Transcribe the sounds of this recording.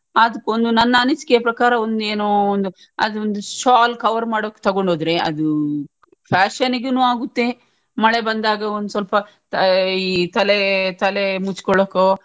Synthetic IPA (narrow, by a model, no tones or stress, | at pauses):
aːd̪ɐkːond̪unɐnːɐːniskɛjɐpɾɐkaːɾɐond̪eːnoːond̪u | ɐ̰d̪ond̪uʃaːlkɐʋɐɾmaːɽoːkːt̪ɐɡo̞ɳɖoːd̪ɾeɐ̰d̪u | pʰaːʃɐniɡenuːaːɡut̪ːe | mɐɭe̞bɐnd̪aːɡɐond̪usʋɐlpɐ | t̪ɐiːt̪ɐlet̪ɐlemut͡ʃkɔɭoːkːo